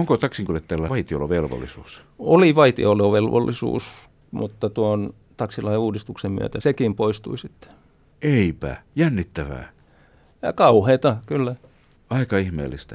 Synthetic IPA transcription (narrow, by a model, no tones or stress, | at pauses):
oŋkot̪ɑksiŋkylet̪ːælːæɑit̪io̰loʋelʋo̰lːisuːs | oliˑʋɑit̪ḭoloʋelʋo̰lːisṵːs | mut̪ːɑt̪uon | t̪ɑksilɑieuːdist̪uksemmy̰ø̰t̪æsekimpoist̪uisit̪ːe̥ | eipæ̰jænːit̪ːæʋæ̰ː | jɑ̰kɑuheːt̪ɑkylːæ | ɑikɑihmḛːlːist̪æ